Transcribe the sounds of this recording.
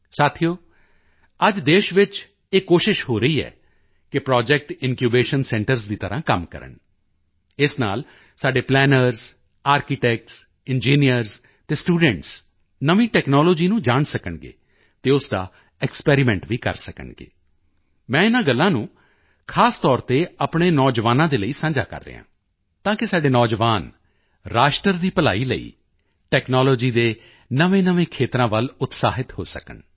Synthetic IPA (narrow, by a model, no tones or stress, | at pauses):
saːt̪ʰijoː | əd͡ʒd̪eːʃʋɪt͡ʃ | eːkoːʃɪʃhoːɾəiːɛ̰ː | kɪpɾɔːd͡ʒɛk̚ʈɪnkjuːbeːʃənsɛ̃ːɳʈəɾzd̪iːt̪əɾãːkəmkə̰ɾə̰ɳ | ɪsna̰ːl | saːɖeːplɛːnəɾz | aːɾkɪʈɛːk̚ʈs | ɪnd͡ʒiːnijəɾz | t̪eːsʈuːɖə̃ɳʈs | nəʋĩːʈɛːknɔːloːd͡ʒiːnũːd͡ʒaːɳsəkəɳɡḛː | t̪eːʊsd̪a̰ː | ɛkspɛːɾɪmɛ̃ːɳʈʋiːkə̰ɾsəkə̰ɳɡḛː | mɛ̃ːɪnãːɡəlːãːnũː | kʰaːst̪ɔːɾt̪eːapɳeːnɔːd͡ʒʋaːnãːd̪eːləiːsə̃ːd͡ʒa̰ːkə̰ɾːḛːɦã̰ː | t̪ãːkɪsaːɖeːnɔːd͡ʒʋaːn | ɾaːʃʈəɾd̪iːpəla̰ːiːlə̰ḭː | ʈɛːknɔːloːd͡ʒiːd̪eː | nəʋẽːnəʋẽːkʰeːt̪ɾãːʋəlʊt̪sa̰ːɦɪt̪ho̰ːsəkə̰ɳ